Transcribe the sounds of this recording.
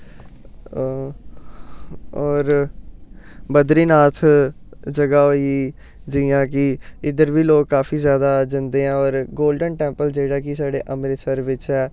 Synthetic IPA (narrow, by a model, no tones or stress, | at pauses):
ɔːɾ | bəd̪ɾiːnaːt̪ʰd͡ʒəɡaːɦoːi | d͡ʒɪjãːkɪɪd̪əɾʋiːloːkːaːfʰiːzjaːd̪aːd͡ʒɪnd̪eːɛ̃ːɔːɾɡoːlɖənʈɛ̃ːmpəld͡ʒeːɽaːkɪsaːɖeːʔəmɾesəɾʋɪt͡ʃɛː